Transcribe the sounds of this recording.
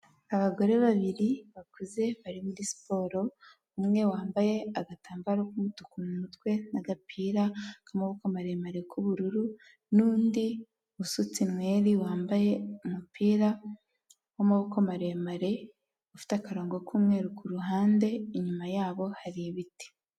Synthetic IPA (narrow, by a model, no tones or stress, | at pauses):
aβaɡo̞ɾe̞βaβiɾiβakuze̞βaɾimuɾisi̥po̞ːɾo̞ | umŋe̞waːmbaje̞aɡataːmbɾokumutu̥kummutwe̞naɡapʰiːɾakamoβukomaɾe̞maɾe̞kʰuβuɾuɾu | nuːndi | usut͡sinwe̞ːɾiwaːmbaje̞umupiːɾa | wamoβukomaɾe̞maɾe̞ | ufi̥takaɾo̞ːŋɡokʰuːmŋe̞ːɾukuɾuɦaːnde̞iɲumajaːβo̞haɾiβiti̥